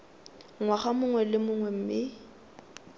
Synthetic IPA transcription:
ŋwaχamʊŋwɛlɪmʊŋwɛm̩ːmɪ

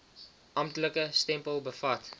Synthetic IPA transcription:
ʔɐmtləkəstɛmpəlˠbəfɐt

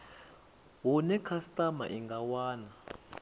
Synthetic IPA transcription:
wɔnɛkʰastʼama̰ʔiŋɡʱawaːna

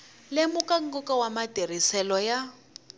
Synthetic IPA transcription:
lemʊkaŋ̩ɡɔkawamadʱer̤isɛlɔja

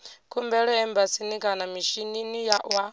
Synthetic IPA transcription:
kʰumbɛɺɔɛmbasinikʼanamiʃininijaʔwa

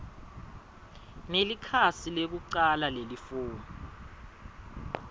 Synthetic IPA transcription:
nelikʰasilek̬uǀalalelifuːnu

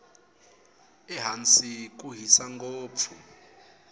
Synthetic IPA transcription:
ɛɦant͡sʼik̬ʼuɦisaŋɡoːp̪fʰu

